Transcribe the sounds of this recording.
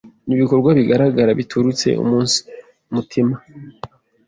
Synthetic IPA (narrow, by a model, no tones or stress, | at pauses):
niβiko̞ɾɡwaβiɡaɾaɡaɾaβitʰuɾut͡se̞̰ṵmuːnsi̥ | mutʰima